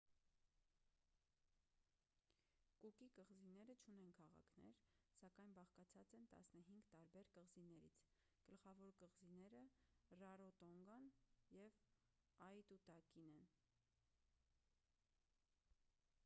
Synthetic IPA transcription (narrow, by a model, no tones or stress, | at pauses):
kukikəʁzinɛɾət͡ʃʰunɛnkʰɑʁɑ̰kʰnɛ̰ɾsɑkɑjnbɑχkɑt͡sʰɑt͡sɛnt̪ɑ̰snəɦiŋɡt̪ɑɾbɛɾkəʁzinɛɾḭt͡sʰ | ɡ̥əlχɑvɔɾkəʁzinɛɾərɑɾɔt̪ɔŋɡɑnjɛv | ɑjt̪ut̪ɑkinɛn